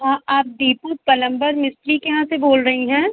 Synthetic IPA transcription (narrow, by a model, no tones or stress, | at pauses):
ɦãːaːp̚d̪iːpupɐlə̃mbəɾmɪsʈɾikeɦãseboːlɾɐɦiɦɛ̃ː